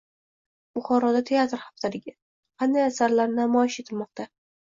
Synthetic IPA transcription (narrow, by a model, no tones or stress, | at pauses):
bʊχɒɾɒd̪at̪ʰe̞at̪ɾhɑft̪ʰad̪ɪɡʲa | qɑnd̪ajasaɾlaɾnamɒjɪʃet̪ʰɪlmɒq̚t̪ʰa